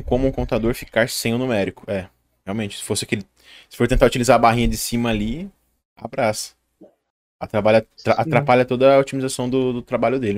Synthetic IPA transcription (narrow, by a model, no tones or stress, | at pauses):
kõmʊũkõt̪ad̪oɾfikaɾsẽj̃ʊnumɛɾikʊɛ | heawmẽnt͡ʃɪ̥sɪ̥fosɪakelɪ | sɪ̥foɾt̪ẽnt̪aɾut͡ʃilizaɾɐbaɦĩɲɐd͡ʒɪsĩmɐːli | a̰bɾasɐ̥ | a̰t̪ɾabaʎɐt̪ɾaʔat̪ɾapaʎɐt̪od̪ɐot͡ʃimizasɐ̃w̃d̪ʊd̪ʊt̪ɾabaʎʊd̪elɪ